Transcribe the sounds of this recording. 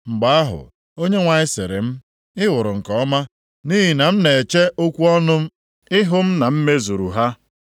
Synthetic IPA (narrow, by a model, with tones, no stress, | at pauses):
ŋ͡m̩˨ɡ͡ba˨a˦ɦʊ̰˨ | o˦ɲe˦ŋʷa˨ɲɪ˦sɪ̰˨ɾɪ̰˨m̩˦ | ɪ˦wʊ˨ɾʊ˨ŋ̩˨kɔ˨ɔ˦ma˦ | ni˦ɦi˨na˨m̩˦ne˨t͡ʃe˦ʔo˦kʷu˦ɔ˦nʊ˦m̩˦ | ɪ˦ɦʊ˦m̩˦na˨m̩˦me˦zu˨ɾu˨ɦa˦